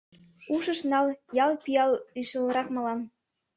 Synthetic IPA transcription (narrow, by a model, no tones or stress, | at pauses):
uʃɤ̆ʃnɑljɑlpijɑlːiʃə̆lɾɑkmɑlɑm